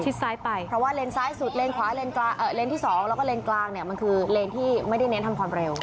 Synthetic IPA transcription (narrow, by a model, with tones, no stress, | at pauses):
t͡ɕʰi˦˥t̪̚saː˦˥jpa˧jpʰɾɔ˦˥waː˥˩leː˧nsaː˦˥jsu˨˩t̪̚leː˧nkʰwaː˨˩˦le˧nklaː˥˩ʔəː˨˩leː˧nt̪ʰiː˥˩sɔː˩˦ŋlɛ˦˥wkɔ˥leː˧nklaː˥˩k̚ni˥˩ɐma˧nkʰɯː˧leː˧nt̪ʰiː˥˩ma˥˩jda˥˩jne˦˥nt̪ʰa˧mkʰwaː˧mɾe˧w